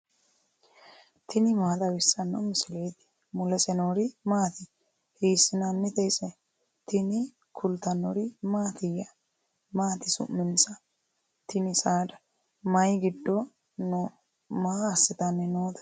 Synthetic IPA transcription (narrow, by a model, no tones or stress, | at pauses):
t̪ʰɪnɪmaːd̪ɐwɪsːɐnːɔmɪsɪlejt̪ɪ̥ | mʊlɛsɛnoːɾɪmaːt̪ɪ | hiːsɪnanːɛt̪ɛjsɛ | t̪ɪnɪ | kʰʊlt̪ɐnɔɾɪmaːt̪ɪjɐ | maːt̪ɪsʊ̰mːɪnsɐ | t̪ɪnɪsaːd̪ɐ | mɐjɡɪd̪ːɔ | no | maːɐsːɪt̪ɐnːɛnoːd̪ɐ̥